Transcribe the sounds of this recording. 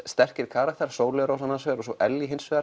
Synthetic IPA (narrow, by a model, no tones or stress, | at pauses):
st̪ɛr̥cɪɾkʰaːɾak̚t̪ʰaɾ̥soːwlɛɾowsanːansvɛːɾɔsɔʔɛljiɦɪnsvɛːa